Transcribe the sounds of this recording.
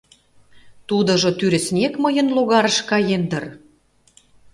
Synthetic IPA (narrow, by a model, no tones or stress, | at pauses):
t̪ud̪ɤ̆ʒŏt̪yɾɘ̆snʲekməjə̆nloɣɑɾəʃkɑjend̪ə̆r